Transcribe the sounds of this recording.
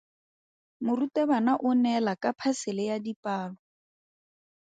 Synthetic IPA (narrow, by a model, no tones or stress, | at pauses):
mʊrutɛbanaʔʊnɛlakʼapʰasɪlɪjadipaːlɔ